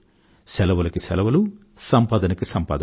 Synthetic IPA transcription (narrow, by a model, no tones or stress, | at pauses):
sɛlɐʋɐlɐkisɛlɐʋɐlu | sɐmpaːd̪ɐnɐkisɐmpa̰ːd̪ɐ